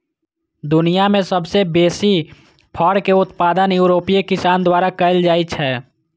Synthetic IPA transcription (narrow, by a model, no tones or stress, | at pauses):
d̪ʊnijamẽsəbsebeːsi | pʰəɽkeʊt̪paːd̪ənjuɾoːpikɪsaːnd̪waːɾakəɪld͡ʒaːit͡ʃʰɛː